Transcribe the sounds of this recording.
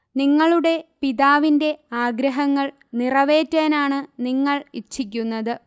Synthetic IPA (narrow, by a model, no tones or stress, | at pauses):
niŋːɐɭuɽe̞piðaːʋinde̞aːɡɾɐɦɐŋːɐɭ | nirɐʋe̞ːtːeːnaːɳɨniŋːɐɭit͡ɕːik̬ʲːunːɐðɨ